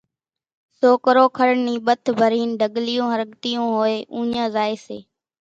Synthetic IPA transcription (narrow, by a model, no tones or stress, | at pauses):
soːkəɾoːkʰəɾɳniːɓət̪ʰbʱəɾiːnɖʱəɠlɪjõːɦəɾəɠt̪ijõːɦoːeːʔũːɲãːzaːeːseː